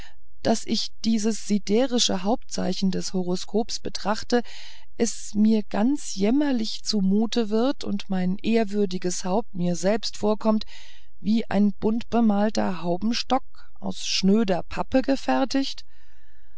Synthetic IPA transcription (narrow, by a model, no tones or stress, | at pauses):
d̥asʔɪçd̥iːzəsz̥ideːʁɪʃəɦaʊp̚tt͡sa̰ɪçn̩dɛshoʁ̞oskʰoːpsb̥ətʁ̥aχtə | ʔɛs | miːɐɡ̥ant͡sjɛmɐlɪçt͡sumuːtəvɪɐtʰʊ̰ntmaɪnʔeːɐvʏɐdɪɡəshaʊp̚tmiːɐzɛlpstfoːɐkʰɔmt | viːʔa̰ɪnb̥ʊntb̥əmaːltɐ̰haʊbm̩ʃtɔk̚ | ʔa̰ʊsʃnøːdɐpʰapəɡəfɛɐtɪçt